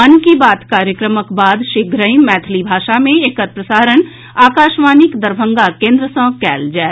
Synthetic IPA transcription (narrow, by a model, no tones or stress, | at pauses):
ənkibaːt̪kaːɾjəkɾəməkbaːd̪ʃɪɡɾəĩmɛːt̪ʰlibʱaːʃamẽeːkət̪̚pɾəsaːɾən | aːkaːʃmaːnikd̪əɾbʱə̃ŋɡakẽːnd̪ɾəsə̃ːkɛ̰ːld͡ʒaː